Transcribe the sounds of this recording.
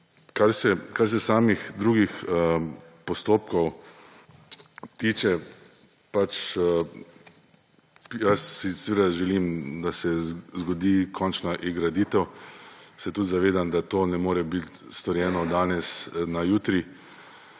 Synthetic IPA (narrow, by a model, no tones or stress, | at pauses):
kaɾsɛkaɾs̬ɛsaːmixd̪ɾuːɡix | pɔst̪oːp̚kɔw | t̪iːt͡ʃɛ | pat͡ʃ | jasːisʋeːd̪aʒɛliːmd̪asɛzɡɔd̪ikʰɔnt͡ʃnaʔiɡɾad̪iːt̪ɛw | sɛt̪ut̪zaʋeːd̪amd̪at̪oːnɛmoːɾɛbit̪st̪ɔɾjɛːnɔd̪aːnɛsnajuːt̪ɾi